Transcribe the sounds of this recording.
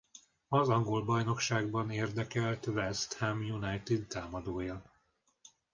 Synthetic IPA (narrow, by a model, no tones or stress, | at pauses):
ɒzɒŋɡo̞lbɒjno̞kʃaːɡ̚bɒneːrd̪ɛkɛlt̪vɛst̪hɛmjunajt̪id̪t̪aːmɒd̪oːjɒ